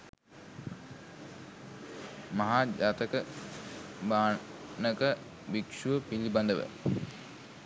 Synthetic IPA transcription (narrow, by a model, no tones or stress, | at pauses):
mɐɦaːd͡ʒaːt̪əkə | baːnəkə | bikʂuʋəpiliband̪əʋə̰